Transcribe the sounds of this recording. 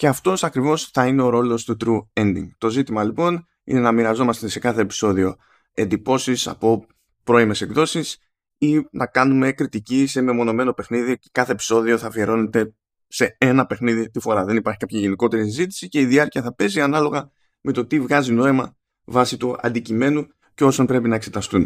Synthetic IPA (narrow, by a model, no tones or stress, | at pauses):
ce̞ɐft̪o̞sɐkɾivo̞sθɐine̞o̞ɾo̞lo̞st̪ut̪ɾue̞nd̪ḭŋt̪o̞zit̪imɐlipo̞n | ḭne̞nɐmiɾɐzo̞mɐst̪e̞se̞kɐθe̞ːpi̥so̞ðio̞ | e̞nd̪ipo̞sisɐ̰po̞ | pɾo̞ime̞se̞kðo̞sis | inɐkɐnume̞kɾit̪icisememo̞no̞me̞no̞pe̞xniðiocekɐθe̞ːpi̥so̞ðio̞θɐvie̞ɾo̞ne̞t̪e̞ | se̞e̞nɐpe̞xniðit̪ifo̞ɾɐðe̞nipɐɾçikɐpçɐʝe̞niko̞t̪e̞ɾisizit̪i̥sice̞iðiɐɾciɐθɐpe̞ziɐnɐlo̞ɣɐ | me̞t̪o̞t̪ivɣɐzino̞imɐ | vɐsit̪uɐ̰nd̪icime̞nu | ceo̞sonpɾe̞pinɐekse̞t̪ɐst̪un